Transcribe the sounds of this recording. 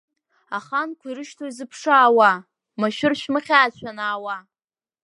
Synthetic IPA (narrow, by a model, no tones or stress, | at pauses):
aχankʷʰiɾɨʃtʰoizɨpʰʂaːwa | maʃᶣʊrʃmɨχʲaːt͡ɕʷʰanaːwa